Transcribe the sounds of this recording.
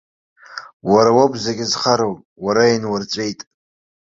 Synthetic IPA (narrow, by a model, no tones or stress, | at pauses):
waɾawabzakʲʼɪzχaɾowpʼwaɾainwart͡ʃʷʼe̞jtʼ